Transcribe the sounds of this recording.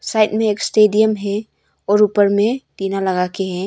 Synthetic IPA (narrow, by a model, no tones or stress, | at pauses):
sajt̚meːkstediəmɦɛ | ɔɾupəɾmetinalɐɡakʰeɦɛ